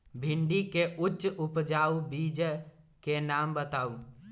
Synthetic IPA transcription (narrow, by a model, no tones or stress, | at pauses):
bʱɪɳɖikeʔʊt͡ʃːʊpd͡ʒaːubiːd͡ʒ | kenaːmbət̪aːuː